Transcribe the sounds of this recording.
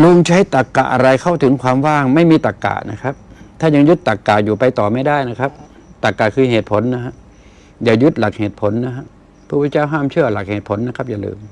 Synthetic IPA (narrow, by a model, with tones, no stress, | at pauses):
lu˧˩ŋt͡ɕʰa˦˥jt̪a˨˩kːa̰˨˩ʔa˧ɾa˧jkʰa˥˩wt̪ʰɯ˩˦ŋkʰwaː˧mwaː˥˩ŋma˥˩jmiː˧t̪a˨˩kːa̰˨˩na̰˦˥kʰa˦˥p̚t̪ʰaː˥˩ɲa˧ŋju˦˥t̪ːa˨˩kːaː˨˩juː˨˩pa˧jt̪ɔː˨˩ma˥˩jda˥˩jna˦˥kʰa˦˥p̚ | t̪a˨˩kːaː˨˩kʰɯː˧ɦeː˨˩t̪̚pʰo˩˦nːa˦˥ɦʰa˦˥ʔ | jaː˨˩ju˦˥t̪̚la˨˩k̚heː˨˩t̪̚pʰo˩˦nːa˦˥ɦa˦˥ʔ | pʰuː˧˩pʰa˧nt͡ɕaː˥˩wɦaː˥˩mt͡ɕʰɯ˥˩ɐla˨˩k̚heː˨˩t̪̚pʰo˨˩˦nːa˦˥kʰa˦˥p̚ja˨˩lɯ̰ː˧m